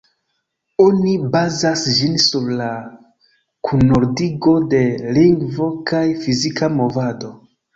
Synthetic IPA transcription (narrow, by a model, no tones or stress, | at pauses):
o̞nibazasd͡ʒinsuɾla | kʰuno̞ɾdiɡo̞de̞liŋɡvo̞kajfizikʰamo̞vado̞